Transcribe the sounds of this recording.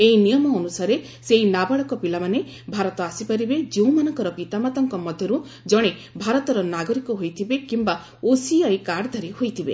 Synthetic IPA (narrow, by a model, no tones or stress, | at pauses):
einijɔmɔːnusaɾe | seinabaɭɔkɔpilamane | bʱaɾɔt̪ɔasipaɾibed͡ʒeũmanɔŋkɔɾɔpit̪amat̪ɔŋkɔmɔd̪ʱjɔɾu | d͡ʒɔɽ̃ebʱaɾɔt̪ɔɾɔnaɡɔɾikɔɦojt̪ʰibekimba | osiajkaɾd̪ʱaɾihojt̪ʰibḛ